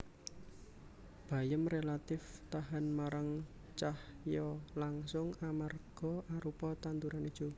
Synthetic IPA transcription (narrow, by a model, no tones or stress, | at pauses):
b̥ä̤jəmrelat̪ɪft̪aɦanmaɾaŋ | t͡ʃahjɔlaŋsʊŋamarɡ̥ɔ̤ʔaɾupɔt̪ant̪uɾanid̥ʒ̥u